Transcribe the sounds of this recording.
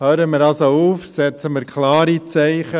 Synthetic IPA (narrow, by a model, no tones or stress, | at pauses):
høːɾəmɪɾɑsouːfsɛt͡səmɪɾkʰlɑːɾit͡sɛɪχə